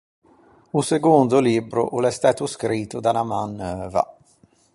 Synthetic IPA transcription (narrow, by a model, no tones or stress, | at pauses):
useɡond̪ʊlibɾʊ̰ʔulɛst̪aːt̪uskɾiːt̪ːʊd̪anamanːøːva̰